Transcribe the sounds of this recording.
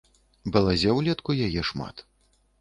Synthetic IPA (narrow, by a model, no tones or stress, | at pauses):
bɐlˠazʲɛwlʲɛt̪kujajɛʂma̰t̪